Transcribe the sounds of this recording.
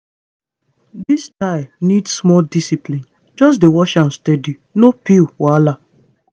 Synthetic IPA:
distaɪnidsmɔldisiplĩn | d͡ʒɔs̬dewɔʃãnstɛdinopilwala

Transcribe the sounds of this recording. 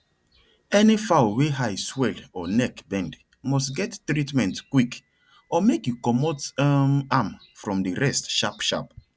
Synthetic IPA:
ɛnifaʊweɦajswɛlɔnɛkbɛ̃nd | mɔstɡɛtːɹitmɛ̃ntkwik | ɔmekjukɔmɔtamam | fɹɔ̃mdiɹɛstʃapʃa̰p

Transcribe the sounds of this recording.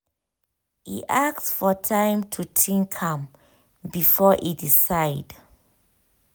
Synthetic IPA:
ḭʔak̚sfɔtʰãɪ̃mtʰutʰĩnkʰãm | bifɔʔidisaɪd

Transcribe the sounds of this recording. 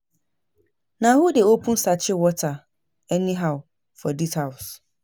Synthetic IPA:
nãhodɛopʰũn̩sat͡ɕʰɪwɔtʰa | ɛnĩɦaʊ | fɔdithaʊs

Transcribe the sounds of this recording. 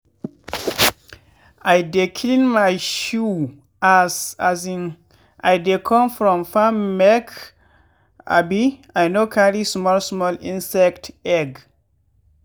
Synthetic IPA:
ajdekʰlĩnmajʃu | asazĩn | ʔajdekʰɔ̃mfɹɔ̃mfammɛk | a̰biajnokʰalismɔlsmɔlĩnsɛktɛɡ

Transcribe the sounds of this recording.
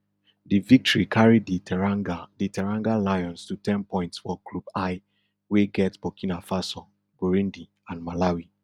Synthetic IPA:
divik̚tɔɹikʰaɹidiaditʰɛɹãŋɡalajɔ̃nstutʰɛ̃npɔ̃ɪ̃ntsfɔɡlubaɪ | weɡɛtsb̥ɔkʰinafasɔ̃ | ɡoɹĩndi | ãnmalawi

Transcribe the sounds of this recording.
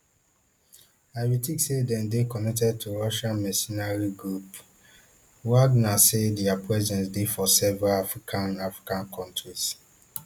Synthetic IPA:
aɪwitiksedɛ̃ndekɔnɛk̚tɛd̚tʰuɹɔʃãnmɛsinaɹiɡɹup | waɡnasedɛapʰɹɛzɛ̃nsdefɔsɛvɛɹalafɹikʰãnafɹi̥kãnkʰɔ̃ntɹis

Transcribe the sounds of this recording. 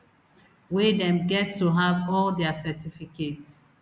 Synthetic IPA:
wedɛ̃mɡɛtʰːuɦavɔldɛasɛtifikets

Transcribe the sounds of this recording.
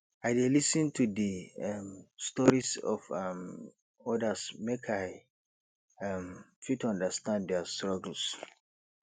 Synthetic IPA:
aɪdelisə̃ntʰudimstɔɹisɔ̰fm | ɔdəsmekʰaɪ | amfitɔ̃ndəstãndɛstɹɔɡəl̩s

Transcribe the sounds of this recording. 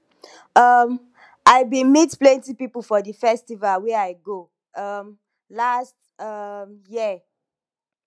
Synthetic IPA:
ʌm | ʔaɪbĩmitplɛ̃ntipiplfɔdəfɛstivalwɛaɪɡo | ʌm | last | ʌmji

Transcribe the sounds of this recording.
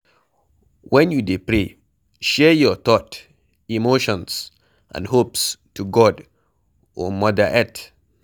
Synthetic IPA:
wʔɛ̃njudepɹe | ʃɛjɔt̪ɔt | imoʃɔ̃ns | ʔã̰nhopstuɡɔd | ɔ̃mɔdəʔɛt

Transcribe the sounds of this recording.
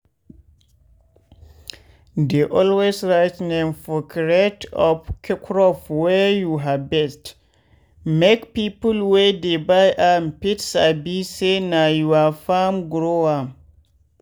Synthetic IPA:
deʔɔlwesɹajtnɛ̃mfɔkʰiɹɛtʰɔ̰fkʰikʰɾɔfwɛjuɦabɛst | mekpipulwedebajʔampitsabisenajuafamɡɾowa

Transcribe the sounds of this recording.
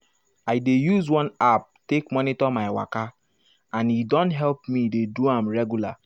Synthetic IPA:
aɪdejuzwɔ̃nap̚tekmɔnitɔmaɪwa̰ka | ãnidɔ̃ntɦɛlpmideduãmɹɛɡjula̰

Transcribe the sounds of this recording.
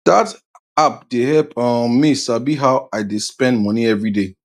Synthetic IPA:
d̥at | ap̚dehɛlpɔ̃misabiɦaʊaɪdespɛ̃ndmɔniɛvɹide

